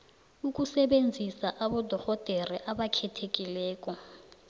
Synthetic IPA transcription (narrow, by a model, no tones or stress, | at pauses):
uk̬ʼusɛɓend͡zʱisaʔaɓɔd̥ʱɔhɔd̥ʱeriʔaɓakʰɛtʰekʼilɛːk̬ʼɔ